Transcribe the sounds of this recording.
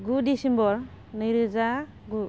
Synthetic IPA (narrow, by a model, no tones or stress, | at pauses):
ɡudisembɔɾ | nɯjɾɯza | ɡu